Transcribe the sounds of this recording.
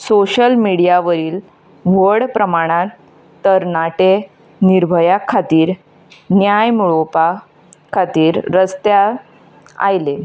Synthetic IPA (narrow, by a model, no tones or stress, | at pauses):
soɕəlmiɽijaʋəɾiːl | ʋəɽpɾəmaɽ̃ãt̪ | t̪ːəɾnaʈe | niɾbʱəjakʰːat̪iːɾ | njajmuɭopa | kʰat̪iːɾɾəst̪ja | a̰jle